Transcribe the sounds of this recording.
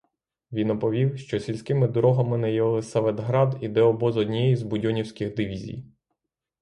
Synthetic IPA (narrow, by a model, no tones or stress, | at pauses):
ʋʲinɔpɔʋʲiwʃt͡ʃɔsʲilʲsʲkɪmɪd̪ɔɾɔɦɐmɪnɛjɔlˠɪsɐʋed̪ɦɾɑd̪id̪ɛɔbɔzɔd̪ʲnʲijɛjizbʊdʲɔnʲiwsʲkɪxd̪ɪʋʲizʲḭj